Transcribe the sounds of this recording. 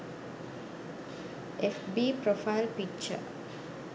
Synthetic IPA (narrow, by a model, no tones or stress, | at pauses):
efbipɾofaɪlpik̚t͡ʃə̰